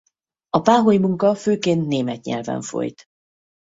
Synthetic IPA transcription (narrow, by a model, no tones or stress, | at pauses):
ɒpaːɦojimuŋkɒføːkeːnt̪neːmɛt̪ɲɛ̰lvɛ̰ɱfo̞̰jt̪